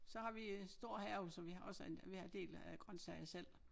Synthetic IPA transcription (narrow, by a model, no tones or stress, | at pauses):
sɒ̽hɑ̈ʋisd̥o̝ɐ̰hæɐʊsɒʋihɑ̈ɒ̽səenʋihɑ̈de̝̰ːlæɡ̥ʁɶnsɛɪɐsel̰